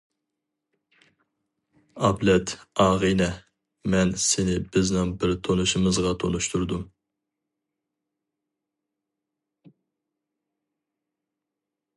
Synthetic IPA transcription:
ɑblɛt̪ʰɑːʁinɛ | mɛnsɪnɪbɪznɪŋbɪɾt̪ʰonuʃɨmɨzʁɑt̪ʰonuʃt̪ʰuɾd̪um

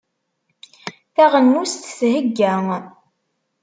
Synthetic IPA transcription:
θæʁənːust̪θɦəɡːæŋ

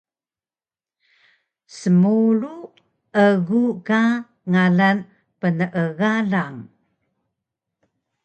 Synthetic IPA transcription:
səmuɾu | əɣuka | ŋaɮan | pənəʔəɣaɮaŋ

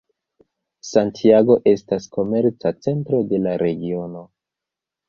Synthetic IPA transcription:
santʰiaɡo̞ʔe̞stasko̞me̞ɾt͡sat͡se̞ntɾo̞de̞laɾe̞ɡio̞no̞

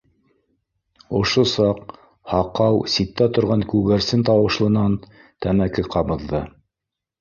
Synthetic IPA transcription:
ŏʃosɑq | hɑqɑwsit̪ːæt̪ŏɾʁɑŋkʉɡæɾsɘnt̪ɑwɤ̆ʃlˠɤ̆nɑn | t̪æmækɘqɑβɤ̆ðːɤ

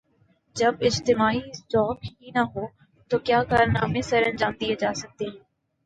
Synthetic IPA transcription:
d͡ʑɐbɪd͡ʑt̪ɪmaːitɔːkɦinaɦoː | t̪oːkjaːkaːɾna̰ːmẽsɐɾənd͡ʑãːnd̪iɐd͡ʑaːsəɡ̚d̪eɦ

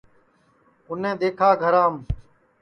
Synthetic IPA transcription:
ʊn̤ẽːd̪eːkʰaːɡʱəɾãːm

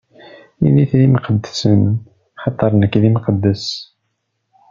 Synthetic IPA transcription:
iniθðimqəd̪ːsən | ħɑt̪ˤːɑɾˤnəkːðimqəd̪ːəs

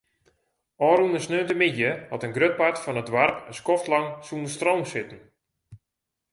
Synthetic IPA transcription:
ɔːɾunəsnøːntəmɪdjəhɔtənɡrøt̚patfɔnədʋarpəskɔftlaŋsunəstrowmsɪtn̩

